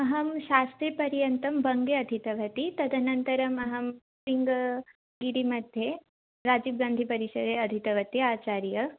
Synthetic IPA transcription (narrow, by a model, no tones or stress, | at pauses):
ɐɦɐmʃaːst̪ɾipɐɾjɐnt̪ɐmbɐŋɡeɐd̪ʱit̪ɐʋɐt̪it̪ɐd̪ʱɐnɐnt̪ɐɾɐmɐɦɐm | siŋɡɐ | ɡiɽimɐd̪ʱje | ɾaːd͡ʒiːb̚ɡaːnd̪ʱipɐɾiʃɐɾeɐd̪ʱit̪ɐʋɐt̪iaːt͡ʃaːɾjɐ